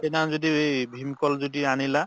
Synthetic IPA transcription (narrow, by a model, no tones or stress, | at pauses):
ɛnazodiejbʱimkɔlzodianila